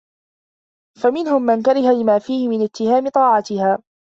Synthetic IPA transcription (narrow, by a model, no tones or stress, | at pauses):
famɪnhʊmːankaɾɪhalɪmaːfiːhɪmɪnɪt̪ːɪhaːmɪt̪ˤɑːʕɑt̪ɪhaː